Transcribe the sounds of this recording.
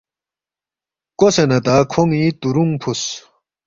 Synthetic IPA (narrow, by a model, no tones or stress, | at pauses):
kosenɐt̪akʰoŋit̪uɾuŋpʰus